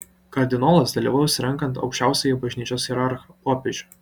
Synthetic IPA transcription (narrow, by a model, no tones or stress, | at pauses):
kɐɾʲd̪ʲɪnoːlˠɐsd̪ɐlʲiːʋɐːjʊːsʲɪɾʲɛŋˑkɐnt̪ɐ̰ʊkʃʲt͡ʃʲæˑʊsʲɛjɛbɐʒʲnʲiːt͡ʃʲoːsxʲɛɾɑɾxɐpoːpʲeʒʲʊ